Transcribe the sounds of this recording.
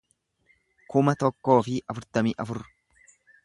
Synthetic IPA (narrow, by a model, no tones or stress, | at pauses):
kʊmɐt̪ɔkːo̞ːfɪʔɐfʊɾt̪ɐmiːʔɐfʊɾːʊ̥